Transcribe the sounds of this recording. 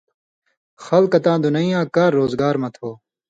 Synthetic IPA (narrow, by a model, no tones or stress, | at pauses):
xɐlkɐt̪ãːd̪unɐijãːkaːɾːoːzɡaːɾmɐt̪ʰoː